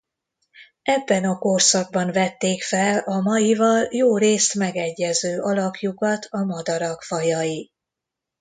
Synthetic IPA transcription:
ɛbːɛnɒkorsɒɡ̚bɒnvɛt̪ːeːkfɛlɒmɒjivɒljoːɾeːst̪mɛɡɛɟːɛzøːʔɒlɒpjukɒt̪ʰɒmɒd̪ɒɾɒkfɒjɒji

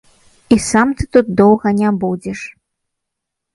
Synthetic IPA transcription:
isamt̪ɨt̪ut̪̚d̪ɔwɣɐnʲabud͡zʲɛʂ

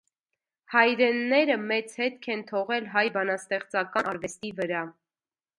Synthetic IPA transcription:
hɑjɾɛnːɛɾəmɛt͡shɛt̪kʰɛnt̪ʰɔʁɛlɦɑjbɑnɑst̪ɛχt͡sɑkɑɑɾvɛst̪ivəɾɑ

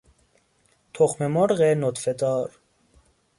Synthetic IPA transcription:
t̪ʰoχmemoɾɣenot̪fed̪ɑːɾ

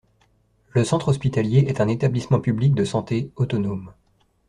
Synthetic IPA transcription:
ləsɑ̃t̪χɔspit̪aljeʔɛt̪ɛ̃net̪ablismɑ̃pyblik̚d̪əsɑ̃t̪eot̪ɔnom

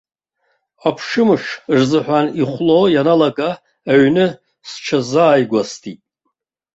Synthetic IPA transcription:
apʰʂɨmɨʂrzɨħʷᶣaniχʷlojanalaɡʼaː | ɥnɨ | sʈ͡ʂʰazaːjɡʷastʰitʼ

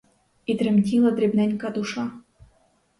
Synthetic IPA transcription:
it̪ɾʲɘ̆mʲtʲilˠəd̪ɾʲebnʲænʲkɑd̪uʂɑ

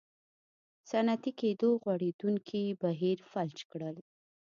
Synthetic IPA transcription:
sanat̪iked̪oɣwaɽed̪uŋkʰibaɦiɾfalt͡ʃkɽəl

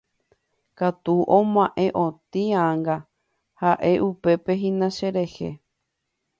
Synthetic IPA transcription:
kat̪uʔõmãʔẽʔõt̪ĩãŋɡa | haʔe̞ʔupe̞pe̞ɦĩnãʃeɾe̞he̞̰

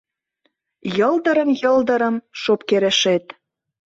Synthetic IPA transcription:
jɤld̪əɾəmjɤld̪ə̆ɾə̆mʃopkeɾĕʃet̪

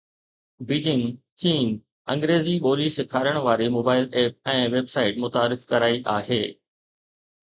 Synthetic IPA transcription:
biːd͡ʑɪ̃ŋɡt͡ɕiːn | ɐ̰̃ŋɡɾeːziɓoːliːsɪkʰaːɾəɽ̃ʋaːɾimoːbaːɪleːp̚ɛ̃ːʋeːbsaːɪʈmʊt̪aːɾɪfkɐɾaːiʔaːɦeː

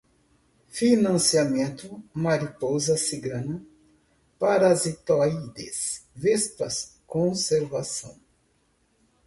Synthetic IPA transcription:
finɐ̃siamẽnt̪ʊmaɾipozɐsiɡɐ̃nɐ | paɾazit̪ɔjd̪ḛsvɛspɐ̰skõseɾvasɐ̰̃w̃

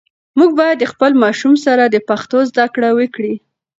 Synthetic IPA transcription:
muɡ̚bɑjad̪ːəxpəlmɑʃumsaɾad̪əpaxt̪ozd̪akɽawəkɽi

